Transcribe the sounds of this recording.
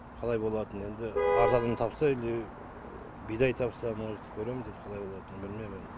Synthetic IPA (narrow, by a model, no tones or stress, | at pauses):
qʰɑlˠɑjbo̞lˠɑt̪əne̞nd̪ɪɑɾzɑd̪ənt̪ʰɑpsɑɪld̪ej | bijd̪ɑjt̪ʰɑpsɑmənɑet̪ɪ̥p̚kʲʰɵɾemnd̪et̪qʰɑlˠɑjbo̞lˠɑt̪ənbɪlme̞mɪn